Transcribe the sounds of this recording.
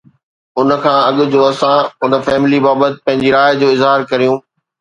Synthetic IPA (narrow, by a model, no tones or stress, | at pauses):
ʊnə̆kʰãːɐɠʊ̆d͡ʑoːɐsãʊnə̆fɛːmɪlibaːbət̪ɪ̥̆pɐ̃ɦɪ̃ɲd͡ʑiɾaːjd͡ʑoːɪzɦaːɾkɐɾijũː